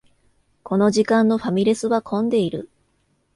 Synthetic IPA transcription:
ko̞no̞ʑikãnːo̞ɸamʲiɾʲe̞sɨβakʰõ̞nd̪e̞iɾɯ̟̰

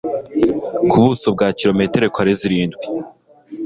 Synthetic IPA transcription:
kʰuβuso̞b̚ɡaːciɾo̞me̞te̞ɾekwaɾeziɾiːndɡwi

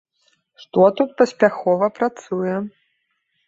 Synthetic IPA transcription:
ʂt̪ɔt̪ut̪̚pɐsʲpʲaxɔvɐpɾat̪sujɛ

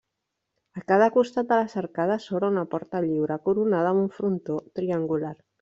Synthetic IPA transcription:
akað̞akust̪at̪alasaɾkaðasoβɾaunapɔɾt̪aʎiwɾakuɾunað̞auɱfɾunt̪ot̪ɾiaŋɡulaɾ

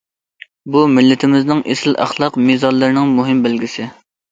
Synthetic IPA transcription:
bumɪlːɪt̪ʰɪmɪznɪŋʔesɪlʔɑ̰χlˠɑqmizɑlːɨɾnɪŋmuɦɪmbɪlɡʲisɪ

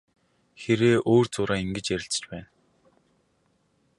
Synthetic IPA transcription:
xeɾeːʔoːrt͡sʊːɾaːiŋɡɘ̆t͡ɕjæɾʲɪ̆ɬt͡s̆t͡ɕpæːn

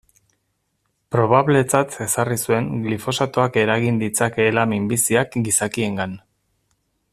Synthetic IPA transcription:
pɾo̞βaβle̞t͡sat̪e̞sarisue̞ŋɡlifo̞sat̪oake̞ɾaɣind̪it͡sakeːlamimbisiakɡisakie̞ŋɡan

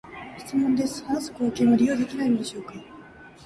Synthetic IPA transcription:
çi̥t͡sɨmõ̞nd̪e̞smasɨ̥koːkeːmoɾʲijo̞ːd̪ekʲinainod̪eɕo̞ːka

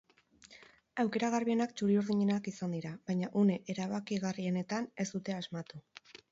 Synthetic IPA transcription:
awke̞ɾaɣ̞arβie̞nakt͡ʃuɾiuɾðiɲe̞nakisand̪iɾaβajɲaʔune̞ʔeɾaβakiɣarie̞ne̞t̪ane̞sd̪ut̪e̞azmat̪u

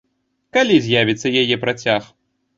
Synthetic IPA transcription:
kalʲizʲjavʲit̪sɐjajɛpɾat͡sʲax

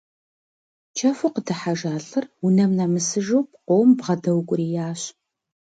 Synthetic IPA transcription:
t͡ʃʰɐfʊqədɨħaʒaːɬɨrwunɐmnɐmɨsɨʒowp̚qʷoːwmbʁɐdɐwkʷʼʊɾijaːɕ

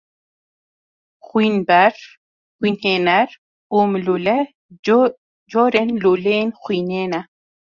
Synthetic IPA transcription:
xwinbaɾ | xwinhenaɾ | umlulɛ | d͡ʒoɾɛnlulenxwinena

